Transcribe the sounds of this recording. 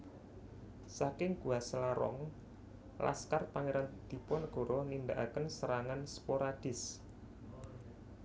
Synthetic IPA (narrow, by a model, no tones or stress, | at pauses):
sakɪŋɡ̥uasəlaɾɔ̰ŋ | la̰skarpaŋeɾand̪̥i̤pɔnɡ̥o̤ɾɔnindaʔa̰kənsəɾaŋanspoɾad̥ɪ̤s